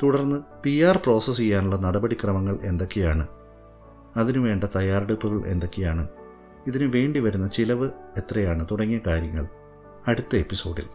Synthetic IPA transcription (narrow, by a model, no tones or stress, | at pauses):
t̪uɽɐrnːɨpijaːrpro̞ːsɐs̬ijːaːnuɭːɐnɐɽɐbɐɽikrɐmɐŋːɐɭʔe̞nd̪o̞kːejaːɳɨ | ɐðinɨʋe̞ːɳɖɐt̪ɐjaːreɽupːuɣɐɭʔe̞̰nd̪o̞kːejaːɳɨ | iðinɨʋe̞ːɳɖiʋɐɾunːɐt͡ɕilɐʋɨ | e̞t̪rɐjaːɳɨt̪uɽɐŋːijɐkaːɾjɐŋːɐ̰ɭ | ɐɽut̪ːɐe̞pːiso̞ːɽḭl